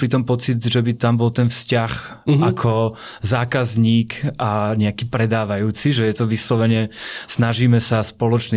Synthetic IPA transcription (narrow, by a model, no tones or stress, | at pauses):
pɾit̪ɔmpɔt͡sid̪ʒɛbit̪ambɔlt̪ɛnfscax | akʰɔ | zaːkazɲiːkʔaɲɛakiːpɾɛd̪aːʋajuːt͡siʒɛjɛt̪ɔʋislɔʋɛɲɛsnaʒiːmɛsaspɔlɔt͡ʃni